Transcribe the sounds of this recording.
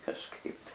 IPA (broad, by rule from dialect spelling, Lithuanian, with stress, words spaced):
kɐʃˈkɐɪp tɐɪ